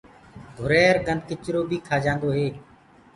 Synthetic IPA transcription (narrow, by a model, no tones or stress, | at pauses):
ɡʱʊɾɛːɾɡə̃nd̪ʱkɪt͡ʃɾoːbʱiːkʰaːd͡ʒãːnd̪oːɦeː